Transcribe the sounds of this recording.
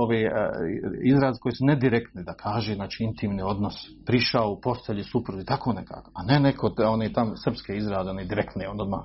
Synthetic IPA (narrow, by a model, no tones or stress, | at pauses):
oʋḛ | izɾaːzeko̞jesuned̪iɾekt̪nid̪akʰaːʒeznaːt͡ʃiːint̪ʰimnio̞d̪nos | pɾiʃaoupo̞st̪eʎusupɾud̪uit̪akʰoːneka̰ːkoanenekʰotoneːt̪amsr̩pskeizɾaːzeoned̪iɾekt̪niond̪od̪ma̰ː